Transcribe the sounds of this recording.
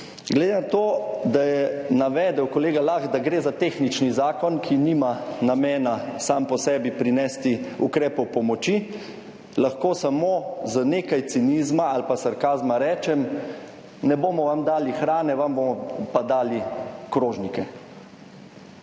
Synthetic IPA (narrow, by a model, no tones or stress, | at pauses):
ɡlɛd̪enat̪oːd̪ajɛnaʋɛːd̪ɛwkɔleːɡalaxd̪aɡɾeːzat̪eːxnit͡ʃnizaːkɔnkʰinimanamɛːnasaːmpɔsɛːbipɾinɛst̪iukɾɛːpɔwpɔmɔt͡ʃi | laxkoːsamoːzəneːkajt̪siniːzmaalpasaɾkaːzmaɾɛːt͡ʃɛm | nɛboːmɔʋamd̪aːlixɾaːnɛʋamboːmɔpad̪aːlikɾoːʒnikɛ